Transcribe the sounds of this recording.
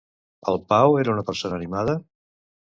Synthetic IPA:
ə̰lˠpaweɾəunəpəɾsonəːnimað̞ə

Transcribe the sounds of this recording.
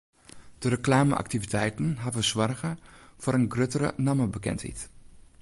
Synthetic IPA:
d̥əɾəklaːmə̰ʔa̰k̚tivitʰɛjtn̩ɦavəsʋɔrɣəfoɾənɡrøtərə̰naməbəkɛ̰nthḭt

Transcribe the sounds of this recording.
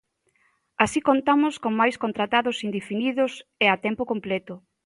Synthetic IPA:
asikont̪amʊskoŋmajskont̪ɾat̪aðʊsind̪efiniðʊseat̪ɛmpokomplɛt̪ʊ

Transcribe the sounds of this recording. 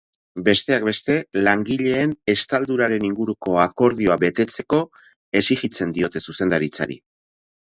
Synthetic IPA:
be̞st̪e̞ak̚be̞st̪e̞laŋɡiʎe̞ːnest̪ald̪uɾaɾe̞niŋɡuɾuko̞ako̞ɾð̞io̞aβe̞t̪e̞t͡se̞ko̞ | e̞sixit͡se̞nd̪io̞t̪e̞suse̞nd̪aɾit͡sa̰ɾḭ

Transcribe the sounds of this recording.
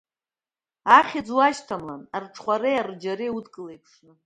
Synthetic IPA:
aχʲɪd͡zwaʃtʰamlanarʈ͡ʂʰχʷaɾejard͡ʒaɾiutkʼɨlejpʰʂnɨ

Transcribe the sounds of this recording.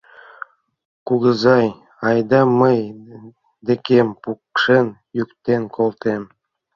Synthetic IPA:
kuɣəzɑj | ɑjd̪ɑməj | d̪ekempukʃenjykt̪enkʰolˠt̪em

